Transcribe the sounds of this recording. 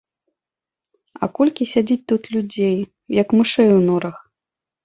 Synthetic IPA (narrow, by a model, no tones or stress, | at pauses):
ɐ̰kɔlʲkʲisʲad͡zʲit͡s̚ʲt̪ut̪lʲud͡zʲej | jɐkmɨʂɛjwnɔɾɐx